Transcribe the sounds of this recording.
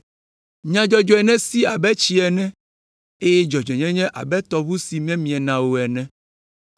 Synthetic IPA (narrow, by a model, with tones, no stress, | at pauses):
ɲã˨d͡ʒɔ˦d͡ʒɔ˦ɛ˨nɛ̃˦si˦a˨bɛ˦t͡ʃi˦ɛ˨nɛ̃˦ | e˦jɛ˦d͡ʒɔ˨d͡ʒɔ˨ɲɛ̃˦ɲɛ̃˦ʔa˨bɛ˦t̪ɔ˨βu˦si˨mɛ̃˦mĩ˨ɛ˨nã˨wo˨ɛ˨nɛ̃˦